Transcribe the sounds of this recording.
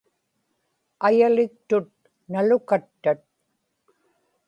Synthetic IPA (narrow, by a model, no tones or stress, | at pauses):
ajalɪk̚t̪ʊt̪̚ | nalʊkat̪ːat̪̚